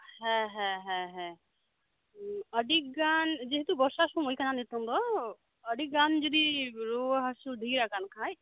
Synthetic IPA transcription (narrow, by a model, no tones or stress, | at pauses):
hɛ̃ɦɛ̃ɦɛ̃ɦɛ̃ | əɖik̚ɡand͡ʒeɦet̪ubɔɾsasũmojkananit̪ɔnd̪ɔ | əɖik̚ɡand͡ʒɔd̪iɾoɦasud̪ʱiɾakankʰãj